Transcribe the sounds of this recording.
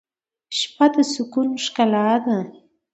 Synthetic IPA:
ʃpad̪əsʊkunʃkalad̪a

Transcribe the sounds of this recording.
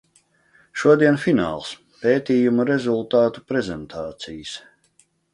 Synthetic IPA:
ʃuɔd̪iɛnfina̰ːlˠs | peːt̪iːjumuɾɛzulˠt̪aːt̪u̥pɾɛzɛnt̪ʰaːt̪sijəs

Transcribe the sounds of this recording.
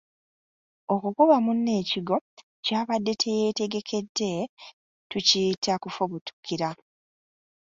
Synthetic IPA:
o̞kukuβamunːe̞ːciɡo̞ | caːβadːe̞tʰe̞je̞te̞ɡe̞kʰe̞dːe̞ | tucitʰakufoβutu̥kiɾa

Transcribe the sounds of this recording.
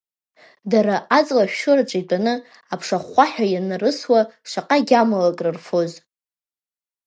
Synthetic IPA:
daɾaʔat͡sʼlaʃᶣʃʊraʈ͡ʂʷʼajtʷʼanɨ | apʰʂaχʷaħᶣajanarɨswaʂʷaqʼaɡʲamalakʼrɨrfoz

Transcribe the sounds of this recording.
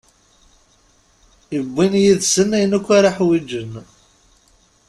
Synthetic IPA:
ibːinjiðsənːæjənækʷːaɾˤaħwid͡ʒən

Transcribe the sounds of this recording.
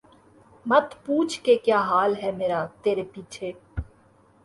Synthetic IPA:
mɐt̪puːt͡ʃʰkekjaːɦaːlɦɛmeːɾaːt̪eːɾepiːt͡ʃʰeː

